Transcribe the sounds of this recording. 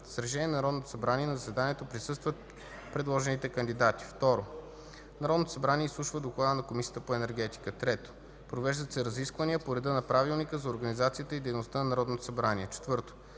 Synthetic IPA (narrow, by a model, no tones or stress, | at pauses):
sɾɛʃ̬ɛnʲiɛnnɐɾɔd̪not̪o̥sɐbɾaniɛnɐzəsɛd̪aniɛt̪opɾisɤst̪vət̪ | pɾɛd̪lˠɔʒɛnit̪ɛkənd̪id̪at̪i̥ft̪ɔɾo | nɐɾɔd̪not̪osɐbɾaniɛislˠuʃvəd̪oklˠad̪ənɐkomisijə̥t̪əpoɛnɛɾɡ̟ɛt̪i̥kət̪ɾɛt̪o̥ | pɾovɛʒd̪ət̪sɛɾɐziskvəniəpoɾɛd̪ɤnɐpɾavilˠnikəzɐoɾɡənizat̪sijət̪əid̪ɛjnost̪anɐnɐɾɔd̪not̪o̥sɐbɾaniɛt͡ʃɛ̥t̪vɤɾt̪o̥